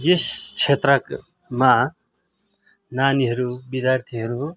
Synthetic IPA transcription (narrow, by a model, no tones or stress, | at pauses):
jest͡sʰet̪rʌk | ma | naniɦʌɾubid̪jart̪ʰiɦʌɾu